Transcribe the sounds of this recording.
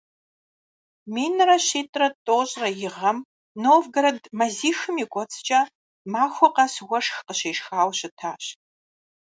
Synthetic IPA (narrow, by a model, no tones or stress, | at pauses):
miːnɨrɐɕiːtʼrɐtʼoːɕʼrɐjɪʁɐm | noːvɡɐɾɐdmɐziːxɨmiːkʷʼɔt͡sʰʼt͡ʃʼɐ | maːxʷɔqɐswʷɐʂxqəɕeːʃxaːwɕɪtʰaːɕ